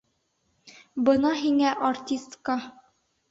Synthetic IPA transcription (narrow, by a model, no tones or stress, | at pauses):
bɤnɑɦiŋæʔɐrtʲist̪kɑ